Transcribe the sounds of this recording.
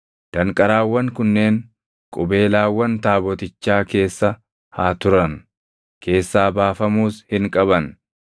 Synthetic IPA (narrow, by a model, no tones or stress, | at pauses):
d̪̥ɐŋkʼɐɾaːwːɐŋkʊnːe̞ːŋ | kʼʊbe̞ːlaːwːɐnt̪aːbɔt̪ɪt͡ʃːaːke̞ːsːɐ | haːt̪ʊɾɐn | kʰe̞ːsːaːbaːfɐmuːshɪŋkʼɐbɐn